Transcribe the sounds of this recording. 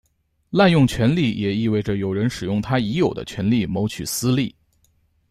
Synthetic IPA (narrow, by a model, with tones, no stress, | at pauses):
la˥˧njʊ˥˩ŋt͡ɕʰɥɛ˧˥nli˥˩jɛ˨˩i˥˧we˥˩ɪʈ͡ʂə˩jo˨˩ʊɻə˧˥nʂɻ̩˨˩jʊ˥˩ŋt̪ʰa˥i˧˥jo˨˩ʊd̪ə̰˦t͡ɕʰɥɛ˧˥nli˥˩mo˧˥ʊt͡ɕʰy˨˩sɹ̩˥li˥˩